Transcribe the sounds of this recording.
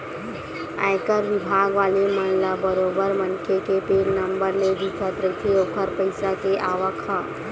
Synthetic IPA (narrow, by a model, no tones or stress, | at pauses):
a̰jkəɾʋɪbʱaːɡʋaːleməɳlabəɾoːbəɾmənkʰekepenəmbəɾled̪it̪ʰat̪ɾət̪ʰeoːkəɾpəɪsakeʔaːʋəkʰa